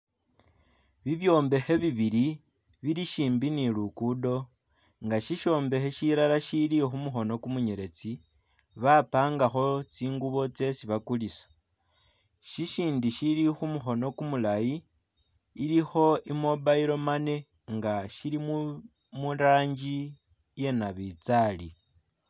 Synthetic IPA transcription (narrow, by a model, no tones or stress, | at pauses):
βiβjo̞ːmbe̞xe̞βiβiɾi | βiɾiʃiːmbinilukudo̞ | ŋɡaʃiʃo̞ːmbe̞xeʃiɾaɾaʃilixumuxo̞no̞kumuɲeɾe̞t͡si | βapaːŋɡaxo̞t͡siːŋɡuβo̞t͡se̞siβakulisḁ | ʃiʃiːndiʃilixumuxo̞no̞kumulajiː | lixo̞imo̞baiɾo̞mane̞ | ŋɡaʃilimu | munɾaːɲɟi | je̞naβit͡sali